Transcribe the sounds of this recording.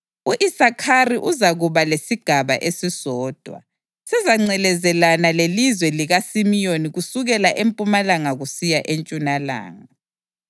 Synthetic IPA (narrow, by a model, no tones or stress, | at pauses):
uʔisakʰariʔuzaɣuβalesiɡ̥ʱaβa̰ʔesizɔːd̥ʱwa̰ | sɛzaŋ͡ǀɛlɛzɛlanalelizwɛliɣasimijoniɣusuɣɛlaʔempʼumalaŋaɣusijaʔent͡ʃʼunala̰ːŋa